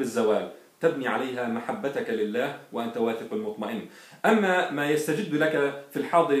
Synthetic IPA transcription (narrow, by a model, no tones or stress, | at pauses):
ɪzːawaːl | t̪abniːʕalajɦamaħabːat̪akalɪlːaːhwɪʔant̪awaːθɪqalmʊt̪ˤmaʔɪnː | ʔamːamaːjast̪ad͡ʒɪd̪ːlakafilħɑːd̪ˤɨɾ